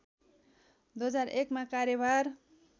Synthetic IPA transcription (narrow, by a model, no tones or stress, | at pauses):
d̪oʌd͡zaɾekmakaɾjʌbaɾ